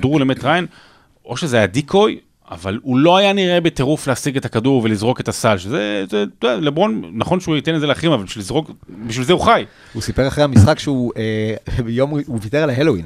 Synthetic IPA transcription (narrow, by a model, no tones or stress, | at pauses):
dʁulemetʁajen | ʔo̞ʃezeajadikʰo̞j | a̰valulo̞ajaniʁʔe̞bete̞ʁufleasiɡe̞takaduʁvelizʁo̞ke̞tasalʃezezetualebʁo̞nnaχo̞nʃeuit̪e̞net̪zeleaχimavalbiʃlizʁo̞kbiʃ̬vilzeuχaj | husipeʁaχʁehamisχakʃeuejomuvit̪eʁalaɦeloin